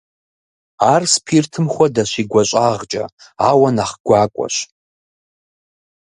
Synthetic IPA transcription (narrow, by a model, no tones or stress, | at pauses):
aːrspʰirtʰɨmχʷɐdaʃiɡʷɐɕʷʼaːʁt͡ʃʼɐ̰aːwɐnaχɡ̥ʷaːkʷʼɔ̰ʃ